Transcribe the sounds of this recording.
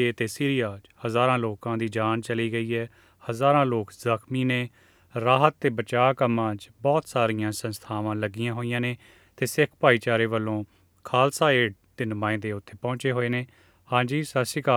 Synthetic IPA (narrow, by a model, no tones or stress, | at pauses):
eːt̪eːsiːɾɪjaːd͡ʒhəzaːɾãːloːkãːd̪iːd͡ʒaːnt͡ʃəliːɡəiːɦɛː | həzaːɾãːloːkzəkʰmiːneː | ɾaːɦət̪̚ːeːbət͡ʃaːkəmːãːd͡ʒbɔːt̪saːɾijãːsənst̪ʰaːʋãːləɡɪjãːɦoːijãːneː | t̪eːsɪkʰpaːiːt͡ʃaːɾeːʋəlːõː | kʰaːlsaːeːɖd̪eːnəmãːɪ̃nd̪eːʊt̪ʰːeːpɔ̃ːt͡ʃeːɦoːeːneː | hãːd͡ʒiːsəsɪkaː